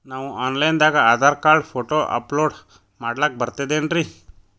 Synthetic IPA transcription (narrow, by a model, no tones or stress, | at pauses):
naːʋuʔaːnlɐjnd̪aːɡɐaːd̪ʱaːɾkaːɭpʰoːʈoːʔɐ̰ploːɖ | maːɖlɐk̚bɐɾt̪ad̪eːnɾi